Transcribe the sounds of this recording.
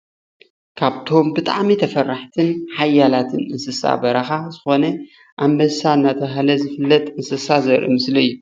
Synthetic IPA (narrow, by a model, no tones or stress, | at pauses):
kʰaβt̪ʰo̞mbɨt̪ʼa̰ʕmit̪ʰɐfɐrːaħt̪ʰɨnħajːalat̪ʰɨnɨnsɨsa̰bɐɾɐxazɨxo̞nɐ | ʔamːɐsaɨnːat̪ʰɐɦlɐzɨfɨlːɐt̪ʼɨnsɐsazɐɾʔḭmɨslɐjːu